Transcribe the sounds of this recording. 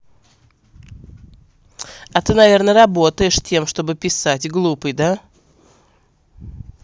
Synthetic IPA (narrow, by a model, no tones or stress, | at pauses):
ɐt̪ɨnɐvʲe̞rnəɾɐbo̞t̪əjɪʂtʲemʂt̪o̞bɨpʲɪsatʲɡlˠupɨjd̪a